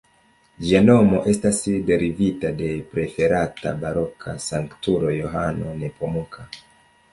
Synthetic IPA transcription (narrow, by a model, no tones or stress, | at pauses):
d͡ʒiano̞mo̞ʔe̞stasde̞ɾivitade̞pɾe̞fe̞ɾata̰baɾo̞kʰa̰saŋktuɾo̞jo̞ɦano̞̰ne̞pomukʰa